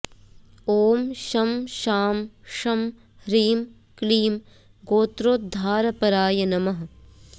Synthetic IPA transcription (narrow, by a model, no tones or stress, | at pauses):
oːmʃɐmʃaːmʃɐm | ɾiːm | kliːm | ɡoːt̪ɾoːt̪̚d̪ʱaːɾɐpɐɾaːjɐnɐmɐɦ